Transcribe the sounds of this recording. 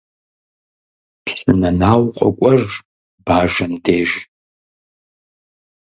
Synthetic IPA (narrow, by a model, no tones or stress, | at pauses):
pʰsnɐnaːwqʷʼa̰kʷʼɐr | b̥aːʒɐndeːʒ